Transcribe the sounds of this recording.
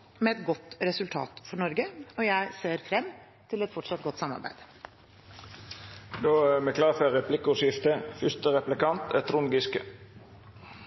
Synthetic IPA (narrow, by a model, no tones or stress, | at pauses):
mɛɛt̪ɡɔt̪ːɾɛsʉlt̪ʰɑ̰ːt̪fɔɳɔɾɡəɔjæɪseːɾfɾɛmː | t̪ʰɪlɛt̪fɔʈʂɑt̪̚ɡɔt̪ːsɑmːɑ̰ɾbæ̰ɪd̪ | d̪oːæmɛːkʰlɑːfœɾɛpʰlɪkʊʂɪft̪əfʏst̪əɾɛplɪkɑnt̪ɛt̪ʰɾʊŋɡɪskə